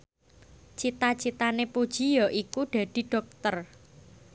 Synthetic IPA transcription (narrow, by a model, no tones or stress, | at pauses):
t͡ʃit̪at͡ʃit̪anepud̥ʒ̥i̤jɔʔikuɖ̥a̤d̪̥i̤ɖ̥ɔ̤k̚t̪ər